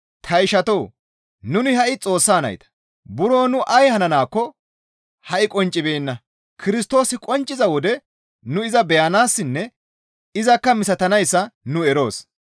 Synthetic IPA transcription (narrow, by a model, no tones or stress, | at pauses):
t̪ʰɐɪʃɐt̪o̞ː | nʊnɪhɐʔɪt͡sʼo̞ːsːaːnɐ̰jt̪ɐ̥ | bʊɾoːnʊʔɐjhɐnɐnaːkːɔ | hɐʔɪkʼɔnt͡ʃʼːɪbeːnːɐ | kʰɪɾɪst̪o̞ːsɪkʼɔnt͡ʃʼːɪzɐwɔd̪ɛ | nʊɪzɐbɛjɐnaːsːɪnːɛ | ɪzɐkːɐmɪsɐt̪ɐnɐjsːɐnʊɛɾo̞ːs